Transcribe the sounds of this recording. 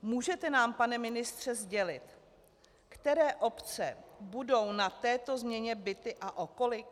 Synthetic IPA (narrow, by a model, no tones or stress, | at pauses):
muːʒɛt̪ɛnaːmpanɛmɪnɪst̪r̝̥ɛzɟɛlɪt̪ | kt̪ɛɾɛːʔo̞pt͡sɛbudo̞wnat̪ɛːt̪o̞zmɲɛɲɛbɪt̪ɪʔaʔo̞ko̞lɪk